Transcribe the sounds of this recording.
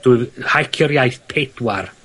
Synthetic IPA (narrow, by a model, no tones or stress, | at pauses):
d̥uɨðhajkʰjɔɾjajθpʰedwar